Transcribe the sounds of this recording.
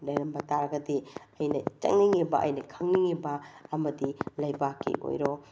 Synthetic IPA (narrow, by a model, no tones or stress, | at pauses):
lɐjɾɐmbɐtaɾɡɐdiɐjnɐt͡ʃɐ̰ŋniŋibɐʔɐ̰jnɐkʰɐŋniŋibɐːmɐdilɐjbakʰːḭʔo̰jɾo